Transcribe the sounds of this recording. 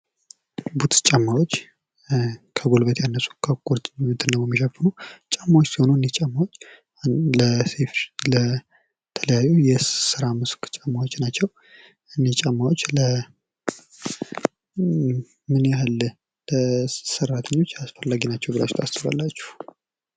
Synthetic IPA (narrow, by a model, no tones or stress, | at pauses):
but̪t͡ʃʼamːawot͡ʃː | kʰəɡolbət̪ʰjanːəsu̥kʰəkʼoɾt̪mɨt̪ʰɨnːəwjɛmːiʃɛfːɨnut͡ʃʼamːawot͡ʃːsiho̞nuɨnːet͡ʃʼamːawo̞t͡ʃː | ləseflə | t̪ʰələjajːujɛsɨɾamɨskt͡ʃʼamːawot͡ʃːnat͡ʃːɛw | ʔɨnːet͡ʃʼamːawot͡ʃːlə | mɨnjahɨl | ləsərːat̪ʰəɲːo̞t͡ʃːasfəlːaɡinat͡ʃːɛwbɨla̰t͡ʃt̪ʰast͡ʃɨβa̰lːat͡ʃːu̥h